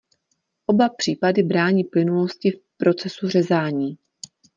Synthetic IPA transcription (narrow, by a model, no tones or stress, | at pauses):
ʔo̞bapr̥iːpadɪbɾaːɲiːplɪnuloscɪfpɾo̞t͡sɛsur̝ɛzaːɲiː